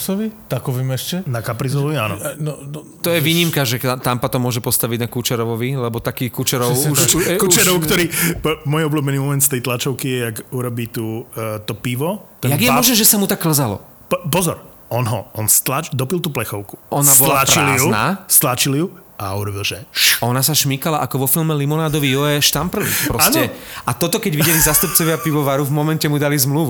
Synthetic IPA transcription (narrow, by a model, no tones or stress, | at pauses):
sɔʋit̪akɔʋimɛʃcɛnakapɾizɔʋianɔ̰nɔ | t̪ɔjɛʋiːɲimkaʒɛat̪ampat̪ɔmʊɔʒɛpɔst̪aʋiɟnakut͡ʃɛɾɔʋɔʋilɛbɔt̪akiːkut͡ʃɛɾɔʊuʃukut͡ʃɛɾɔʊkt̪ɔɾiːpmɔjɔbluːbɲɛniːmɔmɛnt̪st̪ɛjt̪lat͡ʃɔʊkijɛaɡuɾɔbiːt̪ut̪ɔpiʋɔt̪jaɡjɛmɔʒnɛʒɛsamut̪akːl̩zalɔ̰ | pɔzɔɾ | ɔnɦɔɔnst̪lat͡ʃd̪ɔpilt̪uplɛxɔʊku̥ʔɔnabɔlaat͡ʃɾiljuna̰st̪lat͡ʃilju | auɾɔbilʒɛʃɔnasaʃmiːkalaʔakɔʋɔfilmɛlimɔnaːd̪ɔʋijɔɛʃt̪ampr̩lḭppɾɔsnc̪ɛʔat̪ɔt̪ɔkɛɟʋiɟɛlizaːst̪up̚t͡sɔʋɪapiʋɔʋaɾuvmɔmɛncɛmud̪alizmluʋu